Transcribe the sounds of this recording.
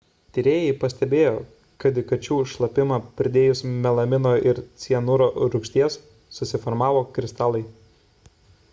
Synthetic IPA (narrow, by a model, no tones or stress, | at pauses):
t̪ʲɪɾʲeːjɛɪpɐsʲt̪ʲɛbʲeːjoː | kɐd̪ʲɪkɐt͡ʃʲuːʃlˠɐpʲɪmɐːpʲɪɾʲd̪ʲeːjʊsmʲɛlˠɐmʲɪnoːʔɪɾt̪sʲiɛnʊɾoːɾʊkʃʲt̪ʲiɛsː | ʊsʲɪfɔɾmɑːʋoːkɾʲɪst̪ɑːlˠɐɪ